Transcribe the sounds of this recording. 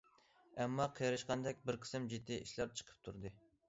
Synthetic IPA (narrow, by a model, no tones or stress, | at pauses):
ɛmːɑqʰijɾɨʃqɑnd̪ɛkʲbɪɾqʰə̥sɪmd͡ʒit̪ːiʔḭʃlæɾt͡ʃʰə̥qʰə̥p̚t̪ʰuɾd̪ɨ